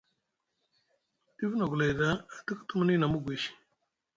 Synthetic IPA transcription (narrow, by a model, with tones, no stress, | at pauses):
di˦vno˨ɡu˨la˨jda˦a˨tə˦kə̥˦tu˦mə˦ni˦na˨mu˦ɡʷe˨ʃi̥˨